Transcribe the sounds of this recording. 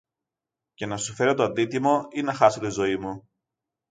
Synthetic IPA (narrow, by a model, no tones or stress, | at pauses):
ce̞nɐsufe̞ɾo̞t̪oɐnd̪it̪imo̞inɐxɐso̞t̪izo̞imu